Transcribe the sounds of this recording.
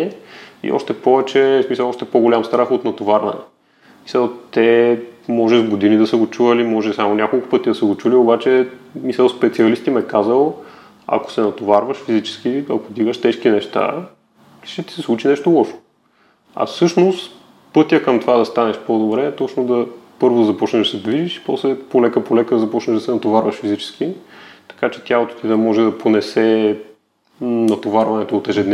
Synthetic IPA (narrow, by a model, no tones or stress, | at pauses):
ɛḭʔɔ̰ʃt̪ɛpɔvɛt͡ʃɛsmisəlˠɔʃt̪ɛpoɡolʲamst̪ɾaxot̪nɐt̪ovaɾvɐ̰nɛ̰ | mi̥səlˠt̪ɛmɔʒɛʒɡod̪inid̪ɐsəɡot͡ʃuvɐlimɔʒɛsamonʲakolˠkʊ̥pɤt̪id̪ɐsəɡot͡ʃuliobat͡ʃɛmisəlˠspɛt̪siɐlist̪imɛkazəlˠ | ɐ̰ko̥sɛnɐt̪ovaɾvəʃfizit͡ʃɛ̥sk̟iɐkod̪iɡəʃt̪ɛʃkinɛʃt̪a̰ | ʃt̪ɛt̪i̥sɛslˠut͡ʃinɛʃt̪olˠɔʃo̥ | ɐ̰fsɤʃnost̪ | pɤt̪ʲjəkɐmt̪ovad̪ɐst̪anɛʃpod̪obɾɛt̪ɔt͡ʃnod̪ɐpɤɾvod̪ɐzɐpɔt͡ʃnɛʒd̪ɐsɛd̪viʒiʃi̥pɔslɛpolɛkəpolɛkəd̪ɐzɐpɔt͡ʃnɛʒd̪ɐsɛnɐt̪ovaɾvɐʃfizit͡ʃɛ̥sk̟it̪ɐ̥kat͡ʃɛ̥t̪ʲjalot̪o̥t̪id̪ɐmɔʒɛd̪ɐponɛsɛ | nɐt̪ovaɾvɐnɛt̪oːt̪ɛʒɛd̪nɛ